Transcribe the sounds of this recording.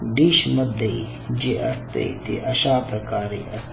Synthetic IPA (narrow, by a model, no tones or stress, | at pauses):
ɖiːʃmɐd̪ɐi | d͡ʒeʔɐst̪ḛt̪ḭʔɐʃaːpɾɐkaːɾḭːɐ̰s